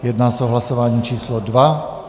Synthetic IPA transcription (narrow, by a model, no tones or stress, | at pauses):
jɛd̪naːsaɔɦlasɔʋaːɲiːt͡ʃiːslɔd̪ʋa